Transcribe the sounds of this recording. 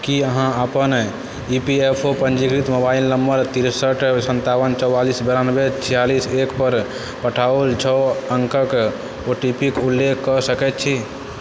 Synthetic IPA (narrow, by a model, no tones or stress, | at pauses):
kiəɦãəpən | ipiepʰopənd͡ʒikɾit̪mobailnəmbəɾt̪iɾsəʈsənt̪aʋənt͡ʃɔwwalisbɛɾanəbet͡ʃʰijalisekpəɾ | pəʈʰault͡ʃʰɔəŋkək | oʈipikulːekʰkːɔsəkɛt̪̚t͡ʃʰi